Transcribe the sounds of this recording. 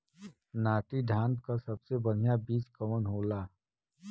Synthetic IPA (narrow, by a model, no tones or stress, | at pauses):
naːʈiɖʱãːnd̪̚kasɐbsebɐɽ̤ijabiːt͡ʃkɐʋənɦoːlaː